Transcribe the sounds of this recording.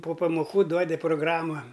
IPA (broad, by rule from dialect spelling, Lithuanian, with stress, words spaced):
poː pɐmoːˈkuː ˈduɔdʲɪ proːˈɡrɑːmɐ